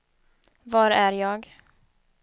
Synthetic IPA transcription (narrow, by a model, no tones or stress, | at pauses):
vɑɾæɾjɑːɡ